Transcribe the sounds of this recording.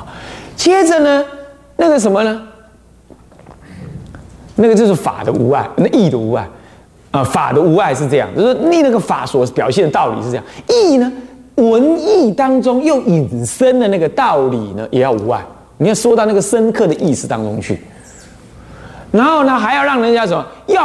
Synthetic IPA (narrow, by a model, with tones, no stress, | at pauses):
t͡ɕʰjɛ˥d͡zə˨nə˧ | na˥˩ɡə˨˩ʂ̬ə˧˦nmə˧nə˧ | na˥˩ɡə˩t͡ɕjo˥˧ʊʂ̬ɻ̩˥˩fa̰˨˩d̪ə̰˦ṵ˧˥a̰˥˩ɪna˥˩˧i˥˩d̪ə˨u˧˥a̰˥˩ɪ | ə˧˩fa̰˨˩d̪ə˦u˧˥a˥˧ɪʂ̬ɻ̩˥˧ʈ͡ʂɤ˥˧jɑ̰˥˧ŋt͡ɕjo˥˧ʊʂi˥˧na˥˩ɡə˨fa̰˨˩swɔ˧˥pjɑ˨ʊɕjɛ˥˩nd̪ə˩t̪ɑ˥˩ʊlḭ˨ʂ̩˥˧˥jɑ˥˩˨i˥˩nə˧ | wə˧˦˥ni˥˩t̪ɑ˥ŋʈ͡ʂʊ˥ŋjo˥˩ʊi˨˩nsə˦˥nd̪ə˨˦na˥˩ɡə˨t̪ɑ˥˨˩ʊli˨˩nə˦jʔɛ˨˩˦jɑ˥˩ʊu˧˥a̰˥˩ɪ | ni˨˩jɑ˥˩ʊʂwo˥t̪ɑ˥˧ʊna˥˩ɡə˩ʂə˥nkʰɤ˥˩d̪ə˨ʔi˥˩sɹ̩˨˩t̪ɑ˥ŋʈ͡ʂʊ˥ŋt͡ɕʰy̰˥˩ | na˧˥nxo˥˩nə˧xa˧˥ɪjɑ˥˧ɻɑ˥˩ŋɻə˧˥nt͡ɕja˥ʂ̬ə˨˦nmə˦j